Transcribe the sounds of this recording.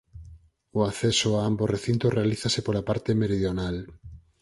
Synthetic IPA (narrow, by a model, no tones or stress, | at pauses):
oaθɛsoaambosreθint̪orealiθasepoɾapaɾt̪emeɾiðjonal